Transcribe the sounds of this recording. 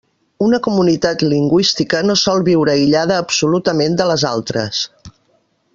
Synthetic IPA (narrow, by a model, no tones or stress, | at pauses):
unəkumunit̪at̪liŋɡwist̪ikənosɔlˠβiwɾəiʎaðəːpsulut̪əmend̪ələzalˠt̪ɾə̰s